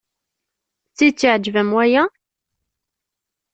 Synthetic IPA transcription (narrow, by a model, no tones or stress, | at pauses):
t͡sːit͡sːiʕd͡ʒvəmwæjæ